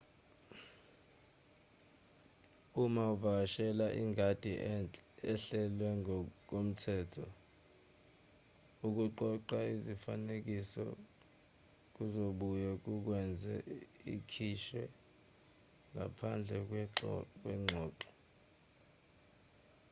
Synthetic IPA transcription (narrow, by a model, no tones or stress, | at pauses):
umauvak̬aʃɛlaʔiŋad̥ʱʼiʔɛɬɛlwɛk̬om̩tʰɛːtʰɔ | uk̬uǃɔǃaizifanek̬isɔ̰ | k̬uzoɓujɛk̬uk̬wɛnd͡zʱɛikʰiʃɛ | ŋʱapʰand͡ɮʱɛ | k̬wɛŋ͡ǁʱɔːǃɔ̥